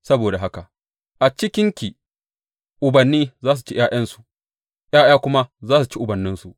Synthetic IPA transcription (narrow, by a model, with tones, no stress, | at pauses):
sɐ˦boː˨da˨ɦa˦ka˨ʔ | ʔa˨t͡ʃɪ˦kʲɪ˦ŋkʲiː˨ | ʔʊ˨bɐ˨nːiː˦zaː˦s̬u˨t͡ʃi˦j̰ʔaː˦j̰ɐ˦nsu̥˨ | jaː˦jaː˦kʷʊ˦ma˦zaː˦s̬u˨t͡ʃi˦ʔʊ˨bɐ˨nːɪ˦nsu˨ʔ